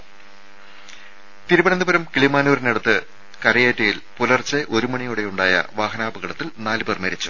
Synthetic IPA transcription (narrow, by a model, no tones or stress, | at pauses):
t̪iɾubɐɳend̪ubɐɾɐmkiɭimaːnuːɾineɽɐt̪ːɨ | kɐɾɐjeːtːɐjilpulɐrt͡ɕːeʔo̞ɾumɐɳijuːɽe̞juɳɖaːjɐ̰ʋaːɦɐnaːbɨɣɐɽɐt̪ːilnaːlbɐrmeːɾit͡ɕːu̥